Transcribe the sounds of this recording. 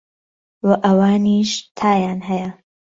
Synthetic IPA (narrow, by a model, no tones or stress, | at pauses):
wɐʔɐwaːniːʃt̪ʰaːjaːnɦɐjɐ